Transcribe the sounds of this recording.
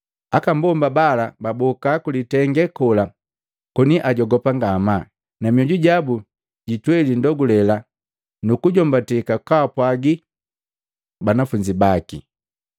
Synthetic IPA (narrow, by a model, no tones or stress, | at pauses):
akambɔmbabalababɔkakulitɛŋɡɛkɔla | kɔniʔaɟɔɡɔpaŋɡama | namiɔɟuɟabu | ɟitwɛlindɔɡulɛla | nukuɟɔmbatikakaapwaɡi | banafuɲd͡ʒibakḭ